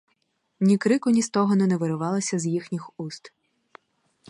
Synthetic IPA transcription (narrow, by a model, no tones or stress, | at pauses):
nʲikɾɪkʊnʲist̪ɔɦɔnɛnɛʋeɾʊʋɑlˠɐsʲɐzjixnʲixust̪